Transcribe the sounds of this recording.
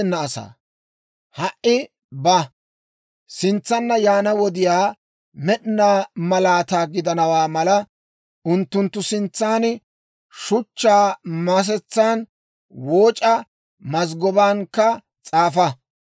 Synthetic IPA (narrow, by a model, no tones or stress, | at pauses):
nːɐːsa̰ː | hɐʔɪ | bɐ | sɪnt͡sːɐnːɐjaːnɐwɔd̪ɪjaː | mɛɗɪnaːmɐlaːt̪aːɡɪd̪ɐnɐwaːmɐlɐ | ʔʊnt̪ːʊnt̪ːʊsɪnt͡sːaːn | ʃʊt͡ʃːaːmas̬ɛt͡sːaːn | woːt͡ʃʼɐ | mɐz̬ɡɔbaːŋkːɐ | t͡sʼaːfɐ